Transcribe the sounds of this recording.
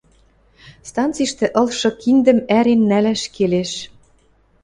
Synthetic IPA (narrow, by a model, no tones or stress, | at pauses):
st̪ɑnt͡siʃt̪ĕʔɤ̆lʃɤ̆kʰind̪ə̆mæɾenːælæʃkeleʃ